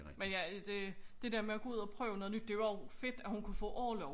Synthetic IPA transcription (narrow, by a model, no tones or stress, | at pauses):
menjæd̥e̝d̥e̝d̥eɐmeæɡ̥ɔ̽uð̰ˠɒpʰʁœːʊnɔðˠnyd̥ːe̝ʋɑfe̝d̥æhunkʰufɔ̰̽ːʔɒ̰ːlɒʊ